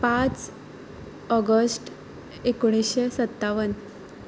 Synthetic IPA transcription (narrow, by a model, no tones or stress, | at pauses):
pãt͡s | ɔɡəsʈ | ekoɽ̃isɕesət̪ːaʋən